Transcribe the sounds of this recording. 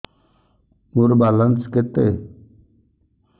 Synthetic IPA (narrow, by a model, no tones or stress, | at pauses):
muɾbalənsket̪e